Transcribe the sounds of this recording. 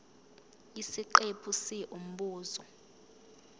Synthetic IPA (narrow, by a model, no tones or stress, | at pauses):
isiǃepʰusiʔum̩ɓuːzɔ